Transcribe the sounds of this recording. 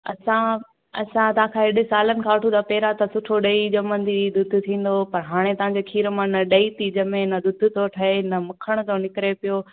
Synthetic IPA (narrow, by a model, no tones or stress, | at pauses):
ɐsã | ɐ̰sãt̪ɐãkʰãːɦɪɗɪsaːlənɪ̆kʰãːʋɐʈʰũd̪aːpeːɾat̪ɐsʊʈʰoɗɐid͡ʑɐmənd̪id̪ʊd̪ʱʊ̆t̪ʰĩːn̆d̪opɐɾɦaːɽ̃et̪ɐʋ̤ãɲd͡ʑekʰiːɾmãnɐɗɐit̪id͡ʑɐmẽnɐd̪ʊd̪ʱt̪oʈʰɐɦenɐmʊkʰəɽ̃ʊt̪ʰonɪkɾepijo